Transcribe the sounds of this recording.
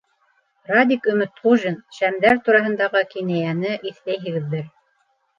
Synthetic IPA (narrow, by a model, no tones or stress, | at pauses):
rad̪ʲikɵ̆mɘt̪χuʒɘnʃæmd̪æɾt̪uɾɑɦɤ̆nd̪ɑʁɤkinæjænɘʔiθlæjɦɘ̆ɡɘ̆ðːɘɾ